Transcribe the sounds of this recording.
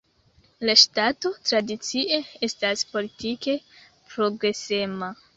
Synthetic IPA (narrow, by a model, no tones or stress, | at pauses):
laʃtato̞tɾadit͡siʔe̞estaspo̞litike̞ | pɾo̞ɡɾe̞se̞ma